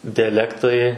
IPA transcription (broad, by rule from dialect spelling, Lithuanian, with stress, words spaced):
dʲɛˈlʲæːktɐɪ